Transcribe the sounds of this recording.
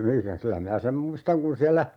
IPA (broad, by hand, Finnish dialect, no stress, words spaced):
mikæ kylæ minæ sem muistɑŋ kun siælːæ